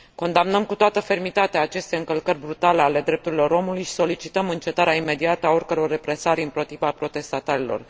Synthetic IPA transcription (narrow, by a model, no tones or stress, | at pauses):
ko̞nd̪amnəmkut̪oat̪əfe̞rmit̪at̪eaːt͡ʃe̞st̪e̞ɨŋkəlkərʲbɾut̪ale̞ale̞d̪ɾe̞p̚t̪uɾilo̞ɾo̞mulujʃi̥so̞lit͡ʃit̪əmɨnt͡ʃe̞t̪aɾeaime̞d̪iat̪əao̞rkəɾo̞rːe̞pɾe̞saɾʲɨnpɾo̞t̪ivapɾo̞t̪e̞st̪at̪aɾilo̞̰r